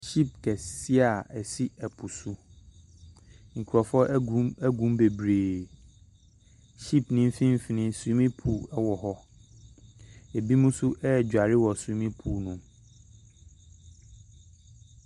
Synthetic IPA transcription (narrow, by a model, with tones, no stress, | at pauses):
ɕi˦˨p̚kʰɛ˨si˦a˨ɛ˨si˦ɛ˨pʰu˨su˦ | ŋ̩˨kʷʰu˨ɾɔ˨fɔ˦ɛ˦ɡũ˨˦mbe˨bɾeː˨ | ɕi˦pnɪ̃˦m̩˦fĩ˦m̩˦fi˨nɪ̃˦su˨˦mĩ˦pʰu˨ɛ˦wɔ˨ɦɔ˦ | e˨bi˦mũ˦su˦ʔɛ˦˨d͡ʑᶣa˨ɾɪ˦wɔ˨su˨˦mĩ˦pʰu˦˨nʊ̃˨